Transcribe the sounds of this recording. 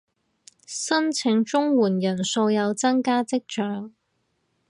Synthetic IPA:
sɐ˥nt͡sʰɪ˨˥ŋt͡ʃʊ˥ŋwuː˨˩njɐ˨˩nso˧wjɐ˨˧wt͡sɐ˥ŋkaː˥t͡sɪ˥k̚t͡ʃœː˨˥ŋ

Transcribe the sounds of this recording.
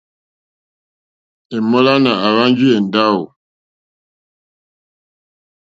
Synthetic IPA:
e˨mɔ˦la˦na˨a˨ɣa˦n˦d͡ʒi˦e˨n˨da˦u˨

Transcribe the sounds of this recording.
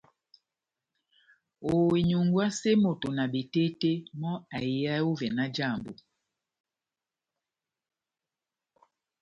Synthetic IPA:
o˨wi˨ɲu˨ŋɡwa˦se˦mo˨to˨na˨be˨te˦te˦mɔ˦a˨i˨˦a˦o˦vɛ˨na˦d͡ʒa˦˨mbo̰˨

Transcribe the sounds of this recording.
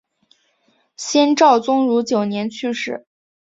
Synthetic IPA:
ɕjɛ˥nʈ͡ʂɑ˥˩ʊt͡sʊ˥ŋɻu˧˥t͡ɕjo˨˩ʊnjɛ˧˥nt͡ɕʰy˥˧ʂɻ̩˥˩

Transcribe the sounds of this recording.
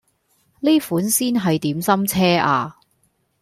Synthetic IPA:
liː˥fuː˨˥nsiː˥nɦɐ˨jt̪iː˨˥msɐ˥mt͡sʰɛː˥aː˧

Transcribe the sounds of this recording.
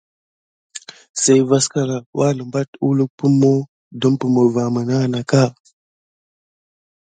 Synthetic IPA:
sa˦jva˦ska˦ɾa˨wʔa˦lə˨mba˦tu˦lu˦k̚pu˦mːo˦ | do˦mpə˨mə˨va˨mə˨na˦˨na˨ka˦

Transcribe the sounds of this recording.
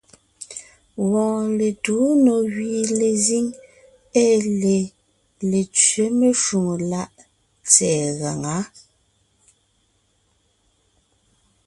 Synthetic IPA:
wɔ̃ː˨ŋle˨tu˨˦nɔ˨ɣɥiː˨le˨zi˦ŋ | ɛ˦le˨ | le˨t͡sɥe˨˦me˦ʃu˨ŋo˨la˦ʔ | t͡sɛː˨ɣa˨ŋa˨˦

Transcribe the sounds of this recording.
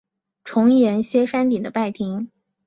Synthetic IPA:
ʈ͡ʂʰʊ˧˥ŋjɛ˧˥nɕjɛ˥ʂa˥nt̪i˨˩d̪ə˦pa˥˩ɪt̪ʰi˧˥ŋ

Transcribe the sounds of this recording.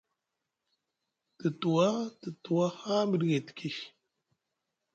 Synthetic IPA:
tə˨tu˨wa˦tə˨tu˨wa˦ha˦mə˨ɗɡe˨ti̥˨ki˦ʃ

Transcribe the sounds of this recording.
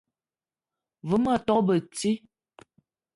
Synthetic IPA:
və˨˦ma˨tɔ˦kbə˨t͡si˦

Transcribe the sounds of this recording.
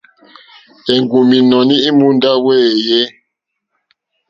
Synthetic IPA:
ɛ˨ŋɡu˨mi˨nɔ˨ni˦i˦mu˦nda˦wɛː˦˨jɛ˦

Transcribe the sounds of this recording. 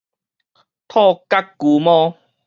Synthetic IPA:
t̪ʰɔ˥˧˨ka˦kːu˨mɔ̃˦

